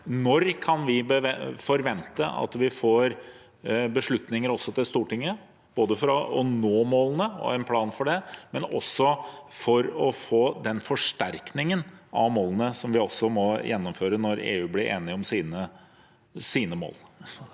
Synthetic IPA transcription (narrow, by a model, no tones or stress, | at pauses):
nɔɾkʰɑnʋɪbəʋɛfɔɾʋɛnt̪əʔɑ̰t̪ʋɪfoːɾ | bəʂɭʉt̪nɪŋəɾɔsːɔt̪ʰɪlst̪uːʈɪŋːə | b̥oːd̪əfɔɾɑɔnoːmoːlənəɔ̰ɛnpʰlɑːnfɔɖɛmɛnɔ̰sɔfɔɾɔfoːd̪ɛnfɔʂʈ̪æɾknɪŋənɑ̰ʋmoːlənəsɔmʋɪɔsːɔmɔjɛnːɔmføːɾənɔɾḛːʉːblɪɾʔḛːnɪɔmsiːnə | siːnəmo̰ːl